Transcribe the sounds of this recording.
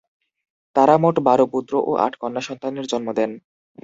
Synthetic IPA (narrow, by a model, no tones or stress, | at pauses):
t̪aɾamoʈbaɾopud̪ɾoʔoʔa̰ʈʰkɔnːaʃɔnt̪aneɾd͡ʑɔnmod̪ɛn